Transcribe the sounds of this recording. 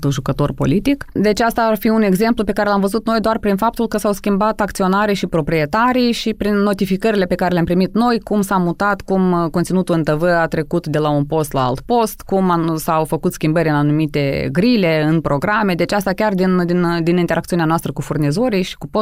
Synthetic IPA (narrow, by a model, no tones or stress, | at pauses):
t̪uʒukət̪o̞rpo̞̰lit̪ikd̪e̞t͡ʃast̪aːrfiune̞ɡze̞mplupe̞kaɾe̞lamvəzut̪no̞jd̪oarpɾinfap̚t̪ulkəsawskʲimbat̪akt̪sio̞naɾiʃipɾo̞pɾie̞t̪aɾijʃipɾinːo̞t̪ifikəɾile̞pe̞kaɾeleampɾimit̪no̞jkumsamut̪at̪kumkont̪sinut̪ulɨnt̪əvəat̪ɾe̞kut̪d̪e̞launpo̞st̪la̰a̰lt̪po̞st̪kumasawfəkut̪skʲimbəɾʲɨnanumit̪e̞ɡɾile̞ɨnpɾo̞ɡɾame̞d̪e̞t͡ʃast̪akʲard̪ind̪ind̪inint̪eɾakt̪iuneanoast̪ɾəkufurnizo̞ɾijʃi̥kupo